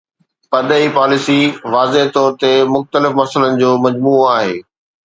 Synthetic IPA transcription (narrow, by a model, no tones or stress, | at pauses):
pɐd̪əipaːlɪsiʋaːzeɦt̪ɔːɾt̪emʊxt̪əlɪfmɐsələnɪ̆d͡ʑoːmɐd͡ʑmuːaːɦeː